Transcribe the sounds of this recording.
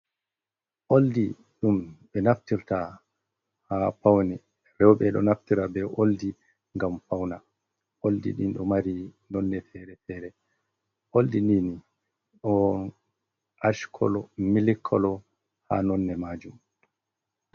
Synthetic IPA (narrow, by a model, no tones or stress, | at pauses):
ʔoldi | ɗumɓɛnaftiɾta | hapawnɛ | ɾɛwɓɛɗɔ̰naftiɾabɛʔoldi | ŋɡamfawna | ʔoldḭɗḭnɗɔmaɾinɔnːɛfɛɾɛfɛɾɛ | ʔoldinini | ɗɔ | ʔaʃkʰɔ̰lɔmilikʰːɔlɔ | ha̰nɔnːɛmaːd͡ʒum